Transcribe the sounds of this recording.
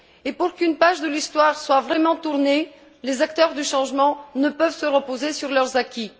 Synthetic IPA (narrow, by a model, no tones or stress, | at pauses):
epuʁkynpaʒd̪əlist̪waʁswavʁɛmɑ̃t̪uʁne | lezak̚t̪œʁd̪yʃɑ̃ʒmɑ̃nəpœvsəʁəpozesyʁlœʁzakʲi